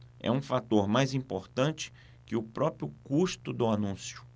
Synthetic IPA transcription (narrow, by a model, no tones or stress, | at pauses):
ɛ̰ũfat̪oɾmajzĩpoɾt̪ɐ̃nt͡ʃɪ̥ | kɪʊpɾɔpɾjʊkuʃt̪ʊd̪ʊanũsjʊ̥